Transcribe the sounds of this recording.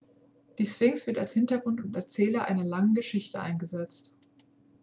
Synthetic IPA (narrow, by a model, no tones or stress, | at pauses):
d̥iːsv̥ɪŋsv̥ɪɐtalshɪntɐɡʁʊntʊntɛɐt͡sɛːlɐʔa̰ɪnɐlaŋən̩ɡəʃɪçtəʔa̰ɪnɡəzɛt͡st